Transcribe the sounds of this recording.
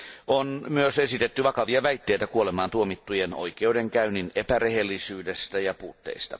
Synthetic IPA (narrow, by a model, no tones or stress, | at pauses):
ʔonmyøsesit̪et̪ːyʋɑkɑʋiɑʋæit̪ːeit̪ækuolemɑːnt̪uomit̪ːujeno̰ikeudeŋkæyninepærehelːisyːdest̪æjɑpuːt̪ːḛist̪ɑ